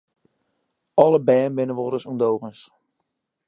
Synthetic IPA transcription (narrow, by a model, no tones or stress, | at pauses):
ɔləbɛːnbɪnəʋoːɾəsundowɣəns